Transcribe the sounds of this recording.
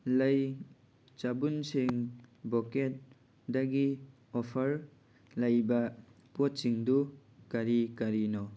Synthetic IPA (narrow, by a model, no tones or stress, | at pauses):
lɐj | t͡ʃabunsiŋbɔket̚ | daɡi | ɔpʰɐɾ | lɐjbɐ | pot̚siŋdu | kaɾikaɾinɔ